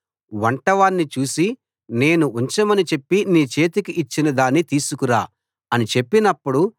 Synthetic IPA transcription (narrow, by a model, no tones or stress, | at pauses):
ʋɐɳʈɐʋaːnːit͡ʃuːsi | ne̞ːnuuɲt͡ʃɐmɐnit͡ʃe̞pːiniːt͡ʃe̞ːt̪ikiʔit͡ʃːinɐd̪aːnːit̪iːsukuɾaː | ɐnit͡ʃe̞pːinɐpːuɽu